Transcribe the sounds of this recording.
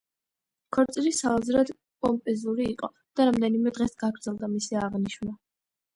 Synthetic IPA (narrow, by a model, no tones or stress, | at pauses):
kʰɔɾt̪sʼiɾisaazɾad̪ | kʼɔmpʼɛzuɾiːqʼɔ | d̪̥aɾamd̪ɛnimɛd̪ʁɛsɡ̥aɡɾdzɛlˠd̪amisiaʁniʃna